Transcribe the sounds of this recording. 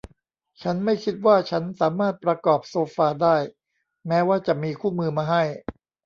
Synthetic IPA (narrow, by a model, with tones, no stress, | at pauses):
t͡ɕʰa˦˥nma˥˩jkʰi˦˥t̪̚waː˥˩t͡ɕʰa˦˥nsaː˩˦maː˥˩t̪̚pɾa˧kɔː˨˩p̚soː˧faː˧daː˥˩j | mɛː˦˥waː˥˩t͡ɕa˨˩ʔmiː˧kʰuː˥˩mɯː˧maː˧ɦa˥˩j